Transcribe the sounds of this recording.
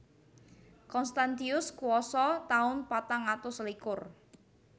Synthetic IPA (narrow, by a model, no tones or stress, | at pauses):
kɔnst̪ant̪iʊskuwɔsɔt̪aʊnpat̪aŋat̪ʊslikʊr